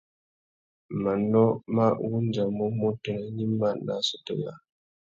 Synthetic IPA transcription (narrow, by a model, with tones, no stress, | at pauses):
ma˨nɔ˦ma˦wu˦nd͡ʒa˨mɔ˦mɔ˦tɛ˨nɛ˨˦ɲi˦ma˦˨na̰˦sɔ˨tɔ̰˦˨ja̰˦˨